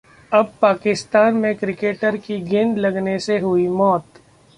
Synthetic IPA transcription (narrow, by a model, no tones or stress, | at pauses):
ɐb̚paːkɪst̪aːnmẽkɾɪkeːʈəɾkiɡɪ̃nd̪lɐɡneseɦʊimɔːt̪